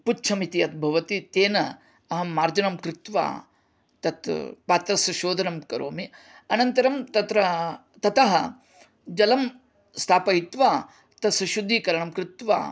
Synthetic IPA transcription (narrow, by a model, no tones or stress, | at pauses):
putːt͡ʃʰɐmit̪iɐt̪̚bʱɐʋɐt̪it̪eːnɐ | ɐɦɐmaːɾd͡ʒɐnɐmkɾɪt̪ʋa̰ː | t̪ɐt̪paːt̪ɾɐsɐʃoːd̪ʱɐnɐmkɐɾo̰ːmi | ɐnɐnt̪ɐɾɐmt̪ɐt̪ɾɐ | t̪ɐt̪ɐɦɐ̰ | d͡ʒɐlɐm | st̪ʰaːpɐɦit̪ʋaː | t̪ɐsɐʃud̪ʱːikɐɾɐɳɐmkɾɪt̪ʋa̰ː